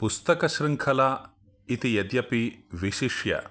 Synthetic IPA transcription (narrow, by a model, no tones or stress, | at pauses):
pust̪ɐkɐʃɾiŋkʰɐla | it̪ijɐd̪jɐpiʋiʃiʂjɐ̰